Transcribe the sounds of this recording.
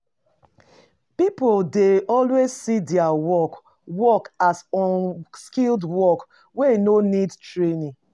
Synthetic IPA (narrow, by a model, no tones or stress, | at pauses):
pipoldeɔlwezsidɛawɔk | wɔkasɔnskildwɔk | weinonidtɹenĩ